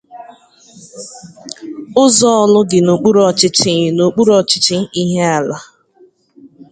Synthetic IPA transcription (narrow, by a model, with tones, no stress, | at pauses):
ʊ˦zɔ˦lʊ˦ɡɪ˨no˨k͡pu˦ɾɔ˨t͡ʃɪ˦t͡ʃɪ˨no˨k͡pu˦ɾɔ˦t͡ʃɪ̥˦t͡ʃɪ˦i˦ɦe˦a˨la˦